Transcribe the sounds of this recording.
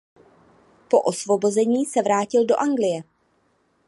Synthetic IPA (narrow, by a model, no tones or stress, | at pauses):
po̞ʔosvo̞bo̞zɛɲiːsɛvɾaːcɪldo̞ʔaŋɡlɪjɛ